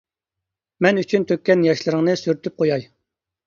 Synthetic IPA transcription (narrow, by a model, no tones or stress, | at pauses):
mɛnyt͡ʃʰynt̪ʰøkʲːɛnjɑʃlˠɨɾɨŋnɨsyɾt̪ʰyp̚qʰojɑj